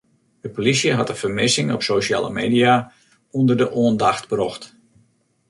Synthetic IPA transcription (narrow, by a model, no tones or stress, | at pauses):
d̥əpolisjəɦɑtənfərmɪsɪŋɔ̰psoʃa̰ːlə̰meːdia | undərdəʔoəndaxtbrɔxt